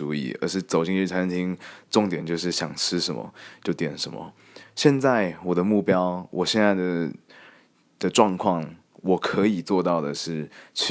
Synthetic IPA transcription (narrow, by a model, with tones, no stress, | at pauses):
u˧˥ḭ˧˩ə̰˧˥ʂɻ̩˥˩t͡so˨˩ʊt͡ɕi˥˧ŋy˥˩a˥n˧˥ŋt̪ʰi˥ŋʈ͡ʂʊ˥˩ŋt̪jɛ˨˩nt͡ɕjo˥˧ʊʂ̬ɻ̩˥˩ɕjɑ̰˨˩ŋʈ͡ʂʰɻ̩˥ʂə˧˦nmə̰˧t͡ɕjo˥˩ʊt̪jɛ˨˩nʂə˧˥nmə̰˧ | ɕjɛ˥˧nt͡sa˥˩ɪwɔ˨˩d̪ə˦mu˥˩pjɑ˥ʊwʔɔ˨˩ɕjɛ˥˧nt͡sa˥˩ɪd̪ə˩ | d̪̥ə˨ʈ͡ʂwɑ˥˧ŋkʰwɑ˥˩ŋ | wɔ˨˩kʰɤ˧˥i˨˩t͡swɔ˥˧t̪ɑ˥˩ʊd̪ə˩ʂɻ̩˥˩t͡ɕʰ